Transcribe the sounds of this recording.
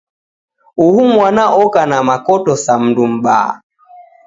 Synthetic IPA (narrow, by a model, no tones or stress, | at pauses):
uhumwanaʔɔkanamakɔtɔsam̩ndum̩ɓaːa̰